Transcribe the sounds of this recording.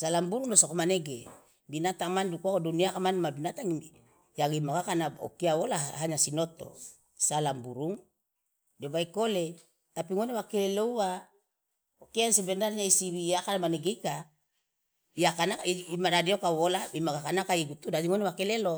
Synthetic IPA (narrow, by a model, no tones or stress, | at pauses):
salambuɾuŋdosokomaneɡe | binat̪aŋmandukuakoduniakamanmadinat̪aŋi | jaɡimaɡakanao̰kiawolaɦaɲasinot̪o̰ | salambuɾuŋ | debaikole | t̪apiŋonewakelelouwa | okeansebendaɾɲaisiβijakanamaneɡeka | iakanakaiimadadiokawolaimaɡakanakaiɡut̪udadiŋonewakelelo